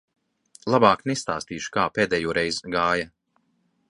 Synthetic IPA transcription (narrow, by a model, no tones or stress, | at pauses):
lˠabaːknɛst̪a̰ːst̪iːʃu̥kaːpeːd̪ɛːjuɔɾɛjzɡaːjɐ